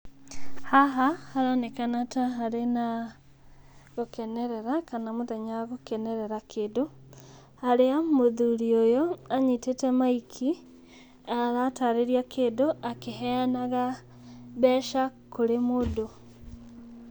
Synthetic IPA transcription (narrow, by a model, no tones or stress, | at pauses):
haɦahaɾanekanataɦaɾena | ɣokeneɾeɾakanamutaɲaɣokeneɾeɾakʰedo | haɾeamoðuɾiojoaɲitetemaikʰi | aɾataɾeɾjakʰedoʔakeɦɛanaɣa | βɛːʃakuɾemodo